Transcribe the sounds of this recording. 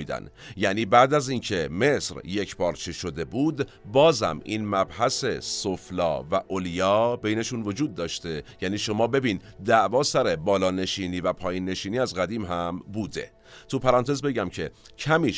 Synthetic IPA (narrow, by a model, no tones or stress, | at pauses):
iːd̪æ̰njæniːbæʔd̪æzincʰe̞me̞sɾje̞cʰbɒːɾt͡ʃʰeʃo̞d̪e̞buːd̪ | bɒːzæ̰mʔḭːnmæbhæse̞soflɒ̰ːvæʔoljɒːbejne̞ʃuːnvo̞d͡ʒuːd̪̚ːɒːʃt̪e̞jæniːʃo̞mɒːbe̞biːnd̪æʔvɒːsæɾe̞bɒːlɒːne̞ʃiːniːvæpʰɒːjiːnːe̞ʃiːniːæzɡæd̪iːmɦæmbuːd̪e̞̰ | t̪ʰupʰæɾɑːnt̪ʰezbe̞ɟæmcʰe̞cʰæmiː